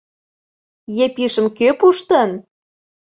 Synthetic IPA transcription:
jepiʃə̆mkøpuʃt̪ən

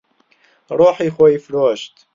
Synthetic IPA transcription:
ɾˤuːħiːxojfɾoːʃt̪

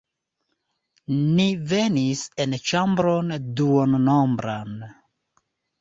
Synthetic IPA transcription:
nivenisent͡ʃambɾonduonnombɾan

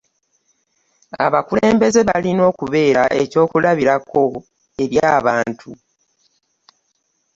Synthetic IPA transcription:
a̰βakule̞ːmbe̞ze̞βalino̞ːkuβe̞ːɾaʔe̞co̞ːkulaβiɾakʰo̞ | e̞ɾjaːβaːntʰu

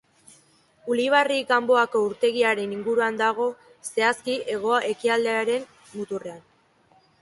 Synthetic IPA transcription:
uliβ̞ariɡambo̞ako̞uɾt̪e̞ɣ̞iaɾe̞niŋɡuɾuand̪aɣ̞o̞ | se̞askie̞ɣ̞o̞aʔe̞kiald̪eaɾe̞m | mut̪ure̞an

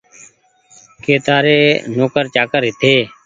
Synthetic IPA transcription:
keːt̪aːɾeːnoːkəɾt͡ʃaːkəɾɦɪt̪ʰeː

